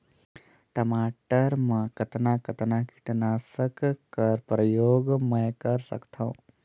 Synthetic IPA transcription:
ʈəmaːʈəɾmə̃kət̪nakət̪naki̥ʈnaːsəkkːəɾpɾəjoːɡmə̃jkəɾsə̰kt̪ʰãũ

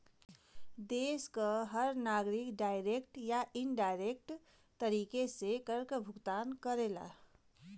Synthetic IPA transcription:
d̪eskəɦəɾnaɡɾikɖajɾekʈjaʔinɖajɾek̚ʈ | t̪əɾikesekəɾkəbʱuɡt̪ankəɾela̰

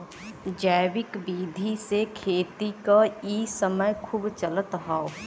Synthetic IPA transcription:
d͡ʒaːwɪkbiːd̪ʱisekʰeːt̪ikaiːsəməjkʰuːbt͡ʃələt̪ɦaːo

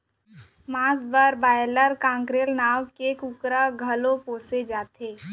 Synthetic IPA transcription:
maːsbəɾbaːjələɾkãːŋkɾeːlnaːwkekukɾaɡʱəlõpoːsed͡ʒaːt̪eː

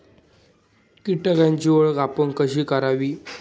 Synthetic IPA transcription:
kiʈəkjãɲt͡ɕiʋəɭɡapəɳkəɕiːkəɾaʋiː

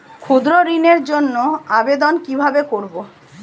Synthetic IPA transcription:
kʰud̪ɾoɾineɾd͡ʑonːoabed̪onkibʱabekoɾbo

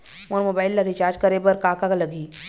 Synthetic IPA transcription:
mɔːɾmoːbaːɪlːɐɾit͡ʃaːɾd͡ʒkɐɾebɐɾkaːkakalɐɡiː

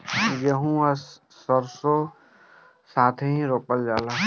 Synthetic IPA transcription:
jeɦũɐsː | əɾso | saːt̪ʰeɦĩɾoːpəld͡ʒaːlaː

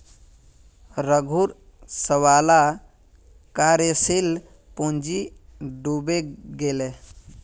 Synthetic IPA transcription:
ɾəɡʱuɾ | səwala | kaɾesil | pund͡ʒiɖubeɡele

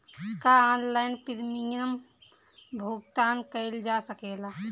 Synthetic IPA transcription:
kaɔːnlaːɪnpiɾmijəm | bʱuɡ̚t̪aːnkəɪld͡ʒasəkela

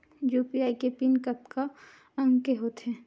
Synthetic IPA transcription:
juːpiaːikepinkəpka | ɐ̃ŋɡkeɦoːt̪ɦɛ̃ː

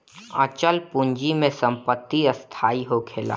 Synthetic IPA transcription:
ət͡ʃəlpʊ̃ɲd͡ʒimẽsə̃mpət̪ːiəst̪ʰaːiɦokʰeːla̰ː

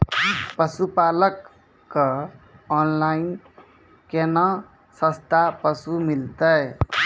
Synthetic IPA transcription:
pʌsupalʌkː | ʌː | nlain | kenʌ | sʌ̃st̪ʰapʌsumilt̪ʌj

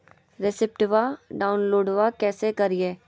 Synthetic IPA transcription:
ɾɪsɪp̚ʈʋaɖaːʊnloːɖʋakɛːsekɐɾieː

